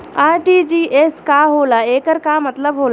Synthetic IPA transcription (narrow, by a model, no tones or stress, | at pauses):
aːɾʈid͡ʒiʔeskaɦolaekəɾkamət̪ləbɦola